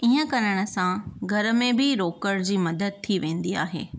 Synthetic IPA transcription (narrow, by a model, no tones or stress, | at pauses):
iːə̃kɐɾəɽ̃ə̆sãɡʱɐɾə̆mẽbʱɪɾoːkəɽd͡ʑiːmɐd̪əd̪̚t̪ʰiʋẽːn̆d̪ia̰ːɦḛː